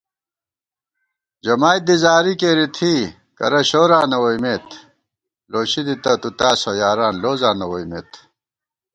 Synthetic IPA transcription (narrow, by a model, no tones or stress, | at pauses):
d͡ʑɐmaːj̚d̪izaːɾikeːɾit̪ʰi | kɐ̰ɾɐɕoːɾaːnɐwojmeːt̪ʰ | loːɕid̪it̪ɐt̪ut̪aːsojaːɾaːnloːzaːnɐwoimḛːt̪